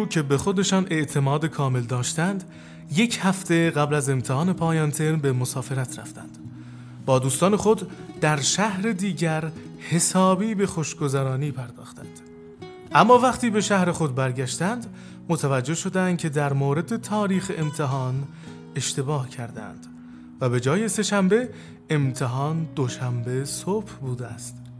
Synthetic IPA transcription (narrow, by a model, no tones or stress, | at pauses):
ucʰe̞be̞xo̞d̪e̞ʃɒːnʔe̞ʔt̪ʰe̞mɒːd̪ekʰɒːme̞ld̪ɒːʃt̪ænd̪ | je̞cʰhæft̪e̞ɣæblæze̞mt̪ʰehɒːne̞pʰɒːjɑːnt̪ʰe̞ɾmbe̞mosɒːfe̞ɾæt̪ʰɾæ̰ft̪æ̰nd̪̥ | bɒːd̪uːst̪ɒːne̞xo̞d̪d̪̥æɾʃæhɾe̞d̪iːɟæɾ | he̞sɒːbiːbe̞xo̞ʃɡo̞zæɾɒːniːpʰæɾd̪ɒːxt̪æ̰nd̪̥ | ʔæmːɒːvæχt̪iːbe̞ʃæhɾe̞xo̞d̪̚bæɾɟæʃt̪ænd̪ | mot̪ʰævæd͡ʒːe̞hʃo̞d̪ænd̪̚cʲʰe̞d̪æɾmoːɾe̞d̪e̞t̪ʰɒːɾiːxeʔemt̪ʰeɦɒːn | e̞ʃt̪e̞bɒːhcʰæɾd̪æ̰nd̪̥ | væbe̞d͡ʒɒːje̞se̞ʃæmbe̞ | emt̪ʰeɦɒːnd̪oʃæmbe̞sob̥hbuːd̪eæst̪